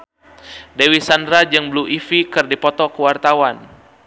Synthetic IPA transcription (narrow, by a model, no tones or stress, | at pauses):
dewisandɾad͡ʒɨŋbluʔifikɨrdipɔt̪ɔkəwart̪awan